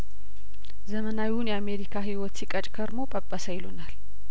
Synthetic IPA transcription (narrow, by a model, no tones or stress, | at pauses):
zəmənawiwunjɛame̞ɾikʰaɦiwɔt̪sikʼət͡ʃʼkʰəɾmo̞pʼəpʼːəsəjɪlunal